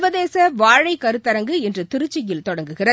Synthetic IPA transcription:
ʋɐðeːsɐʋaːɻɐɪkɐɾɯt̪ːɐɾɐŋɡɯɛndrɯt̪ɪɾɯt͡ʃːɪjɪlt̪ɔɽɐŋɡɯɣɪrɐ

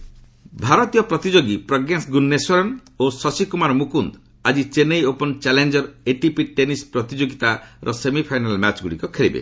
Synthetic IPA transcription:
bʱaɾɔt̪ijɔpɾɔt̪id͡ʒoɡipɾɔɡensɡunːeswɔɾɔnosɔsikumaɾmukund̪ | ad͡ʒit͡ʃenejopɔnt͡ʃɛlend͡ʒɔɾeʈipiʈenispɾɔt̪id͡ʒoɡit̪aɾʔɔsemipʰajnalmat͡ʃɡuɽikɔkʰeɭibḛ

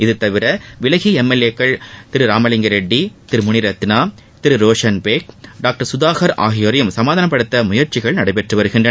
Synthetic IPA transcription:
ɪðɯt̪ːɐʋɪɾɐʋɪlɐɣiɛmːɛlekːɐɭt̪ɪɾɯɾaːmɐlɪŋɡɐɾɛɖːit̪ɪɾɯmʊnɪɾɐt̪ːɪnaː | t̪ɪɾɯɾoːʂɐnpeːk̚ɖaːk̚ʈɐɾsʊðaːɣɐɾa̰ːɣɪjɔɾɐjɯmsɐmaːðaːnɐpːɐɽɯt̪ːɐmʊjɐɾt͡ʃɪɣɐɭnɐɽɐɪpɛʈrɯʋɐɾɯɣɪndrɐ

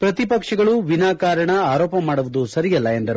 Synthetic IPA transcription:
pɾɐt̪ipɐkʂɐɡɐɭuʋinaːkaːɾɐɳɐaːɾoːpɐmaːɽuʋud̪usɐɾijɐlːɐe̞nd̪ɐɾu

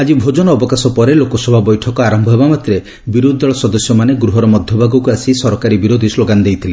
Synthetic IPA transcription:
ad͡ʒibʱod͡ʒɔnɔːbɔkasɔpɔɾelokɔsɔbʱabɔjʈʰɔkɔaɾɔmbʱɔɦebamat̪ɾe | biɾud̪ʱɔɭɔsɔd̪ɔsjɔmaneɡɾuɦɔɾɔmɔd̪ʱjɔbʱaɡɔkuasisɔɾɔkaɾibiɾod̪ʱisloɡand̪ejt̪ʰile

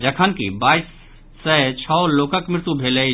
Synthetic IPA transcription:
d͡ʒəkʰənkḭbaːɪsː | ət͡ʃʰɔloːkəkmɪɾɪt̪ubʱeːle

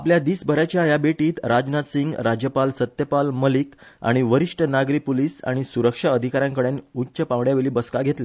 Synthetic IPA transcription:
apljad̪iːsbʱəɾat͡ɕjajabeʈiːt̪ɾad͡ʑnat̪siŋɡɾad͡ʑjəpalsət̪jəpalməlika̰ɽ̃iʋəɾiʂʈʰənaɡɾiːpoliːsa̰ɽ̃isuɾəkʂaəd̪ʱikaɾjãŋkəɽenutːɕəpãʋɽjaʋeliːbəskaɡʱet̪le

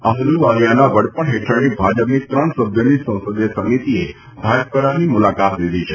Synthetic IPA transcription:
aɦluʋalijanaʋəɽpəɳɦeʈʰəɾnibʱad͡ʒəpnit̪ɾəɳsəbʱjonisə̃w̃səd̪jəsəmit̪ie | bʱaj̚pəɾanimʊlakat̪lid̪it͡ʃʰe

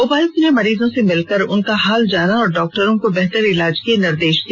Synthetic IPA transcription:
ʊːbaːɪsnemɐɾiːzõsemɪlkəɾʊnkaɦaːld͡ʒaːnaɔːɾɖɔːk̚ʈəɾõkobɛɦt̪əɾɪlaːd͡ʒkenɪɾd̪eːʃd̪i

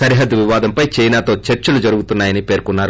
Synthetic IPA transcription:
sɐɾiɦɐd̪ʋiʋaːd̪ɐmpɐjt͡ʃɐjnaːt̪o̞ːt͡ʃeɾt͡ʃɐlud͡ʒɐɾuɡut̪unːaːjɐnipe̞ːɾkunːaːɾu

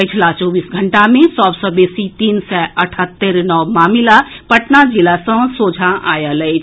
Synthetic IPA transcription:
ət͡ʃʰlat͡ʃoːbiːsɡʱəɳʈamẽsɔːbsɔ̃beːsit̪iːnsɛʔəʈʰət̪ːəɾnɔːmaːmilapəʈnad͡ʒilasə̃soːd͡ʒʱaʔaːjəlɛjʰ

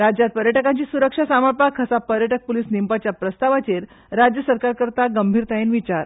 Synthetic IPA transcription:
ɾad͡ʑjat̪̚pəɾjəʈəkãɲt͡ɕiːsuɾəkʂasaməɾpakʰəsapəɾjəʈək̚pulisnimpat͡ɕjapɾəst̪aʋat͡ɕeɾ | ɾad͡ʑjəsəɾkaɾkəɾt̪aɡəmbʱiːɾt̪ajenʋit͡ɕaɾ

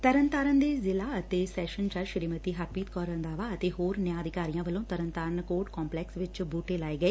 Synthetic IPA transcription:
t̪əɾənt̪aːɾənd̪eːzɪlaːət̪eːsɛːʃənt͡ʃaɾʃəɾiːmət̪iːɦaːpiːt̪kɔːɾə̃nd̪aːʋaːət̪eːɦoːɾnjãːəd̪ʱɪkaːɾijãːʋəlõːt̪əɾənt̪aːɾənkoːɾʈkɔ̃ːmplɛːksʋɪt͡ʃbuːʈeːlaːeːɡəeː

